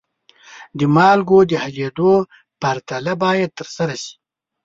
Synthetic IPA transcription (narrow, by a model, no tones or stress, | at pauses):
d̪əmɑlɡod̪əhaled̪o | paɾt̪alabɑjad̪̚t̪əɾsaɾaʃi̥